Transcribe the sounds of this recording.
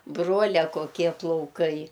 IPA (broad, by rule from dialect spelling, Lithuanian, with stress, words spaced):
ˈbruɔlʲɛ koːˈkʲiɛ plˠɐʊˈkɐɪ